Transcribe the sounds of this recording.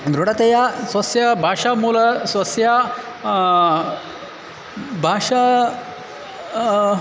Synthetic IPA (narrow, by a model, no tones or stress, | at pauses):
d̪ɾoɽat̪ejasʋɐsjabʱaʂamulɐsʋɐsja | bʱaʂa